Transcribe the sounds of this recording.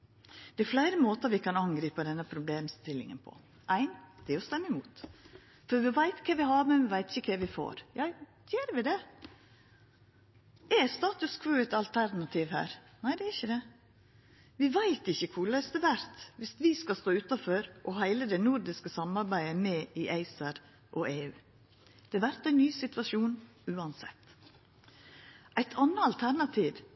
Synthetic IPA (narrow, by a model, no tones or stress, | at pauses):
d̪̥ɛæɾflæɪɾəmoːt̪əɾʋɪkɑnɑŋɡɾiːpəd̪ɛnːəpʰɾʊbleːmst̪ɪlːɪ̰ŋə̰npʰɔ̰ | ʔæɪnd̪̥ɛæɾɔst̪ɛmːəɪmuːt̪ | fɔɾʋɪʋæɪt̪kʰɛʋɪhɑɾmɛnʋɪʋæɪt̪ɪçəkʰɛʋɪfo̰ːɾjɑ | jøːɾʋɪd̪ɛ | ʔɛst̪ɑːt̪ʉskʰʋʉːɛt̪ɑlt̪ʰæɾnɑt̪ʰiʋhæ̰ːɾ | næɪd̪ɛæɾɪçəd̪ɛ | ʋɪʋæɪt̪ɪçːəkʰʊlœʏsd̪əʋæɾt̪ʋɪst̪ʋɪskɑst̪oːʉt̪ɑføːɾʔɔhæɪləd̪ɛnʊɾd̪ɪskəsɑmɑɾbæɪəmɛːʔɪʔæɪsɑɾ | ʔɔʔeːʉː | d̪̥ɛʋæɾt̪æɪnːyːsɪt̪ʋɑʂuːn | ʉːɑnsɛ̰t̪ː | ʔæɪt̪ʰɑnːəɑlt̪ʰæɾnɑt̪ʰiːʋ